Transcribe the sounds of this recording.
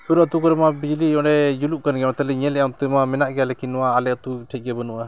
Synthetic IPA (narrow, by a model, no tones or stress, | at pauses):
suɾat̪ukɔɾɛmabid͡ʒlijɔ̃ʔɖɛd͡ʒuluʔkanɡɛmat̪ɛlɛɲɛlɛʔat̪ɛmamɛnaʔɡɛjalɛkinːɔwaːlɛt̪uʈʰɛc̚ˀɡɛbənuʔa